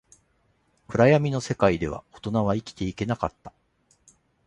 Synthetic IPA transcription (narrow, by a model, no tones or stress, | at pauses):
kɯ̟ɾajamʲino̞se̞kaid̪e̞β̞a̰o̞t̪o̞naβaikʲi̥t̪e̞ike̞nakat̪ːḁ